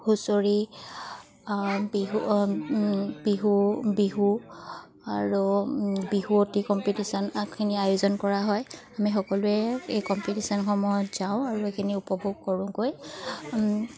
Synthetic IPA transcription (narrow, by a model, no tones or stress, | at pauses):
xusoɹi | biɦu | b̥iɦubiɦu | aɹubiɦuotikɔmpitisɔnakʰiniajʊzɔnkɔɹaɦɔj | amixɔkɔlʊɛejkɔmpitisɔnxɔmɔjɔtz̥aʊ̃aɹuekʰiniupɔbʱuɡ̚kɔɹʊ̃koj